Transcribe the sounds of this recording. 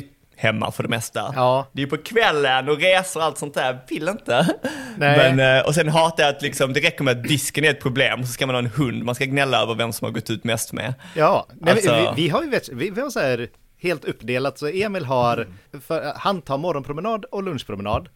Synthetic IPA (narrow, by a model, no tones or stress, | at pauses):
hɛmːa̰fœɖɛmɛst̪a̰ɑːd̪ɛːjɵpʰɔkʰvɛlːənɔɾeːsəɾɔalt̪sɔnt̪hæːɾvɪlːɪnt̪ənɛmɛnɔ̰s̬ɛnɦɑːt̪ajat̪lɪksɔmd̪ɛɾɛkːəɾmɛat̪̚d̪ɪskənæɾɛt̪̚pʰɾʊbleːmɔs̬ɔskamanhɑːɛnhɵnd̪manskaɡnɛlːaœːvəɾvɛmsɔmha̰ɾɡɔt̪ːʉ̟ːt̪mɛst̪mɛ̰jɑːnɛmvɪɦaɾjɵvɛt̪vɪvɪhaɾsɔhæːɾ | heːlt̪ɵpːd̪eːlat̪sɔeːmɪlɦaɾfœɾhant̪ʰɑːmɔɾɔnpʰɾʊmɛnɑːd̪ɔlɵnʂpʰɾʊmɛnɑːd̪